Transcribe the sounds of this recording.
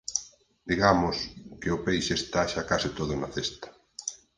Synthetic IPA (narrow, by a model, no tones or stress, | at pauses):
d̪iɣamʊskeʊpejʃest̪aʃakasɪt̪oðʊnaθest̪ɐ̥